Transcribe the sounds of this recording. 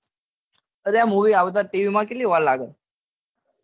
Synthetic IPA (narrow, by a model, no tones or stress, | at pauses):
əɾjamuʋiːaʋt̪̬aʈiʋimakiliːʋallaɡət̪